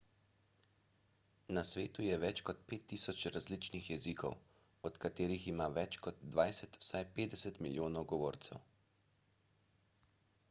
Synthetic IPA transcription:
nasʋeːt̪ujɛʋɛt͡ʃkɔt̪̚peːt̪ːisɔt͡ʃɾazlit͡ʃnixjɛzikʰɔ̰w | ɔt̪kat̪eːɾiximaːʋɛt͡ʃkɔd̪ːʋajsɛt̪w̥sajpeːd̪ɛsɛt̪miljoːnɔwɡɔʋoːɾt̪sɛw

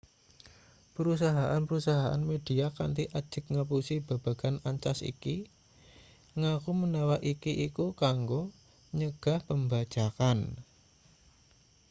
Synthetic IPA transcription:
pəɾus̬aɦaʔanpəɾusaɦaʔa̰nmed̥iakant̪iʔad̥ʒ̥ə̤k̚ŋəp̬usib̥a̤b̥a̤ɡ̥anaɲt͡ʃasḭki | ŋakumənawaʔikiʔikukaŋɡo | ɲəɡ̥a̤hpəmbḁd͡ʒ̥akan

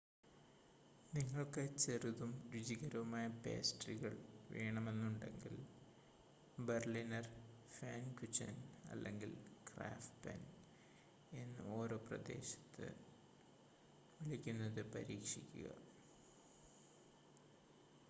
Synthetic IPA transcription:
niŋːɐɭkɨt͡ɕeruðumɾud͡ʑiɣɐɾɐʋumaːjɐpḛːsʈriɣɐɭʋeːɳɐme̞nːuɳɖe̞̰ŋɡil | berlinɐrfaːnkut͡ɕːɐ̰nɐ̰lːe̞̰ŋɡilkra̰ːfʈpɐ̰n | e̞nːɨ̰o̞ːɾo̞ːprɐ̰d̪e̞̰ːɕɐ̥t̪ʰːɨ̰ | ʋiɭikʲːunːɐðɨpɐɾiːkʂikʲːuɣɐ̰

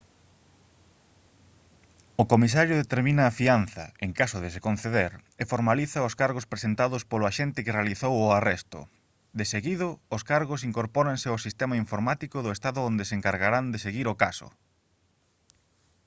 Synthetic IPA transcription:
ʊkomisaɾjʊðet̪eɾmĩnɐːfian̟θɐ̰eŋkasʊðesekon̟θeðeɾefoɾmaliθɐʊskaɾɣospɾesent̪aðʊspolʊaʃent̪ɪkɪrealiθowʊarɛst̪ʊ̰ | d̪eseɣiðʊːskaɾɣʊs̬iŋkoɾpɔɾansɪʊsist̪ɛmaiɱfoɾmat̪ikʊðʊest̪aðʊond̪eseŋkaɾɣaɾand̪eseɣiɾokasʊ̰

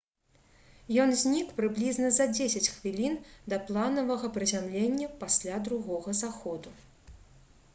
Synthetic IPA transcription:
jɔnzʲnʲikpɾɨblʲiznɐzɐd͡zʲesʲɐt͡sʲxvʲilʲind̪ɐplˠanɐvɐɣɐpɾɨzʲamlʲenʲːɐpasʲlʲad̪ɾuɣɔɣɐzaxɔd̪u

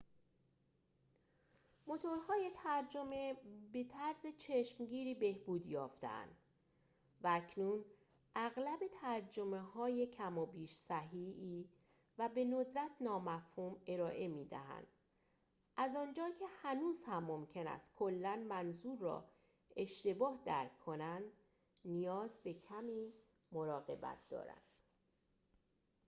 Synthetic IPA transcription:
mo̞t̪ʰo̞ɾhɒːje̞t̪ʰæɾd͡ʒo̞me̞be̞t̪ʰæɾzet͡ʃʰeʃmɟiːɾiːbe̞hbuːd̪jɒ̰ːft̪ḛʔæ̰nd̪̥ | væːcʰnuːn | ʔæɣlæbe̞t̪ʰæɾd͡ʒo̞me̞hɒːje̞cʰæmɒːbiːʃsæɦiːiː | væbe̞no̞d̪ɾæt̪ʰnɒːmæfhuːme̞ɾɒːʔe̞miːd̪æ̰ɦæ̰nd̪̥ | ʔæzɒːnd͡ʒɒːcʰe̞hænuːz̥hæmːo̞mcʰe̞næ̰st̪kʰo̞lːænmænzuːɾːɒ̰ː | e̞ʃt̪e̞bɒːhd̪æɾkʰːo̞nænd̪ | nijɒːzbe̞cʰæmiː | moɾɒːɣe̞̰bæ̰t̪̚ʰd̪ɒ̰ːɾæ̰nd̪̥

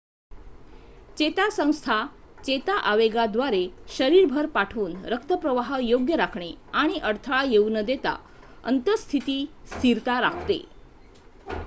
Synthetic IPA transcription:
t͡ɕet̪asə̃w̃st̪ʰa | t͡ɕet̪aʔaʋeɡad̪ʋaɾeɕəɾiɾbʱəɾpaʈʰuːnɾək̚t̪əpɾəʋaɦəjoɡjəɾakʰɳeaɽ̃iʔəɾt̪ʰəɭajeunəd̪et̪a̰ | ə̰nt̪əst̪ʰit̪iːst̪ʰiɾt̪aɾa̰kʰt̪ḛ

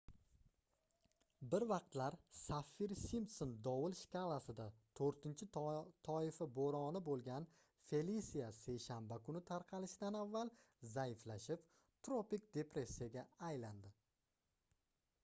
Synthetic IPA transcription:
bɪɾvɑq̚t̪laɾsafːiɾsimsond̪ɒwɪlˠʃkʲalˠasɪd̪at̪ʰoɾt̪ɪnt͡ʃʰɪt̪ʰɒɪfaboɾɒnɪbolˠɡʲan | fe̞lisijase̞jʃambakʰʊnɪt̪ʰaɾqʰɑlɪʃɪd̪anavːalˠ | zajɪflaʃɪp | t̪ɾopik̚ʲd̪e̞pɾe̞sʲːijaɡʲaajland̪ɪ

